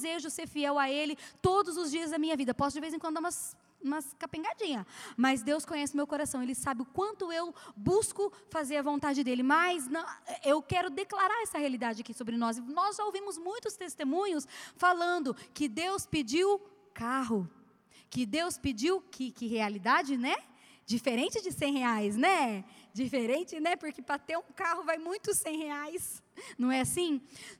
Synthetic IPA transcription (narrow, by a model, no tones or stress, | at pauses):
zeʒʊseɾfiɛwaelɪt̪od̪ʊzʊzd͡ʒiɐzd̪ɐmĩɲɐvid̪ɐpɔsʊd͡ʒɪvejzẽkwɐ̃nd̪ũmɐs | ũmɐskapẽŋɡad͡ʒĩɲɐmɐzd̪ewskõɲɛsɪʊmewkoɾasɐ̃w̃elɪsabɪʊkwɐ̃nt̪ʊewbuskʊfazeɾɐvõnt̪ad͡ʒɪd̪elɪmɐjznɐ̃ɛewkɛɾʊd̪eklaɾaɾɛsɐhealid̪ad͡ʒɪakisobɾɪnɔzɪnɔzʒaowvĩmʊzmũj̃t̪ʊst̪est̪emũɲʊsfalɐ̃nd̪ʊkɪd̪ewspɪd͡ʒiw | kaɦʊ | kɪd̪ewspɪd͡ʒiwkʰɪkɪɦealid̪ad͡ʒɪnɛ | d͡ʒifeɾẽnt͡ʃɪd͡ʒɪsẽj̃heajs̬nɛd͡ʒifeɾẽnt͡ʃɪnɛpoɾkɪpɾɐt̪eɾũkahʊvajmũj̃t̪ʊsẽj̃heajs | nɐ̃w̃ɛasĩ